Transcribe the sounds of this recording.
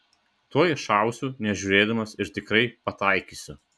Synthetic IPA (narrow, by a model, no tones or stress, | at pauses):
t̪uɔjʃɑˑʊsʲuːnʲɛʒʲʊɾʲeːd̪ɐmɐsɪɾt̪ʲɪkɾɐɪpɐt̪ɐɪkʲiːsʲʊ